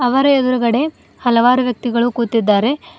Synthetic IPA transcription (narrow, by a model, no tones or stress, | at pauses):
ɐʋɐɾɐed̪uɾuɡɐɽe̞ | hɐlɐʋaːɾuʋjɐk̚t̪iɡɐɭukuːt̪ːid̪ːaːɾe̞